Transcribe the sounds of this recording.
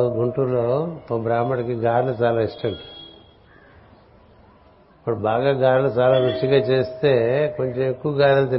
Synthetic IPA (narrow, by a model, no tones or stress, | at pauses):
uɡuɳʈuloːt̪obɾaːmɐɽkiɡaːɾlut͡ʃaːlaːisʈɐɳɖi | pɐʈbaːɡaːɡaːɾlut͡ʃaːlaːʋut͡ʃiɡaːt͡ʃe̞ːst̪e̞ːko̞ɲt͡ʃemekːuʋɐɡaːɾɐlut̪̬i